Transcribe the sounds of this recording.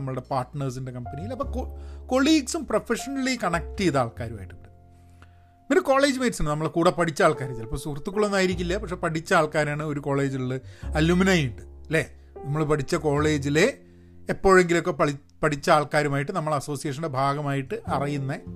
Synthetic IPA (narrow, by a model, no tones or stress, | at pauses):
ɐmːɐɭɨɽe̞paːrʈnɐrs̬inde̞kɐmpɐnijilɐpːoːoko̞ɭiːɡsumprofeʂɐnɐlːikɐɳɐk̚ʈiiðaːɭkaːɾuma̰ːjiʈːuɖɨ | miɾko̞ːɭe̞ːd͡ʑɨmeːʈsaːɳɖɨnɐmːɐɭkuːɽɐpɐʈʰit͡ɕːaːɭkaːɾɐt̪ːilɐpːosurt̪ːukːuɭːo̞nːaːjiɾikʲːulːɐpɐkʂepɐʈit͡ɕːɐaːɭkaːɾaːɳɨoɾuko̞ːɭe̞ːd͡ʑiuɭɨɐluːminajuɳʈːɨleː | nɐmːɐɭpɐʈʰit͡ɕːɐko̞ːɭe̞ːd͡ʑile̞ː | pːo̞ːɻe̞ŋɡilo̞kːe̞pɐ | pɐʈʰit͡ɕːɐaːɭkaːɾumaːjiʈːɨnɐmːɐɭɐso̞ːsijeʂ̬ɐnde̞bʱaːɡɐmaːjiʈːɨʔɐrijunːɐ